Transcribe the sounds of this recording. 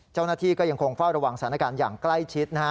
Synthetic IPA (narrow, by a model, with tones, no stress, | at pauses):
t͡ɕa˥˩wnaː˥˩t̪ʰiː˥˩kɔː˥˩ja˧ŋkʰo˧ŋfa˥˩wɾa˧wa˨˩ŋst̪ʰaː˩˦na˧kaː˧njaː˨˩ŋkla˥˩jt͡ɕʰi˦˥t̪̚na˦˥